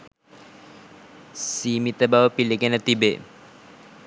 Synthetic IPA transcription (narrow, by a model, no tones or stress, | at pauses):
simit̪əbawəpilikenət̪ibeʔ